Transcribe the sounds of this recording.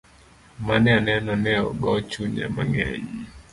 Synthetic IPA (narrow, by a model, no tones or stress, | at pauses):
manɛanɛnɔnɛɔ̰ɡɔt͡ʃuɲa̰maŋɛ̰ɲ